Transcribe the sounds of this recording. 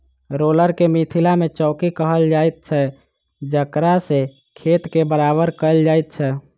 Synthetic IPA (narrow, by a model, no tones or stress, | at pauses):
ɾoləɾkemit̪ʰilamẽt͡ʃɔːkikəɦəld͡ʒaːjt̪̚t͡ʃʰɛ | d͡ʒəkɾase | kʰeːt̪kebəɾabəɾkəld͡ʒaːɛt̪̚t͡ʃʰɛ